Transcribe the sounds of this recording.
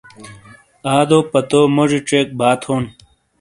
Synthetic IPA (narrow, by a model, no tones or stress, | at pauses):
aːd̪oːpɐt̪oːmoʐiʈ͡ʂeːk̚bʱaːt̪ʰoːn